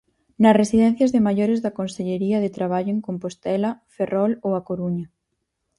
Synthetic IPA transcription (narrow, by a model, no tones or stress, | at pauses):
nɐsresiðɛn̟θjazðemaʎoɾezðakonseʎeɾiɐð̞et̪ɾaβ̞aʎoeŋkompost̪ɛlɐferʔɔlowakoɾuɲɐ